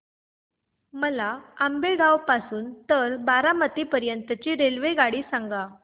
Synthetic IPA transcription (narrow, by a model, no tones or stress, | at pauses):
məlaambeɡawpasuːnt̪əɾbaɾamət̪ipəɾjənt̪ət͡ɕiːɾelʋeɡaɽiːsãŋɡa